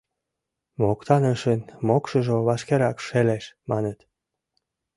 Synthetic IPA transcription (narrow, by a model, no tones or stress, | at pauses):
mokt̪ɑnəʃənmokʃə̆ʒoβɑʃkeɾɑkʃeleʃmɑnət̪